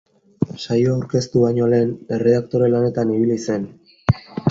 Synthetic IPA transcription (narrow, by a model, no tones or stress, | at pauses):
sajoawɾke̞st̪uβaɲo̞le̞ːne̞re̞akt̪o̞ɾe̞lane̞t̪aniβ̞ilise̞n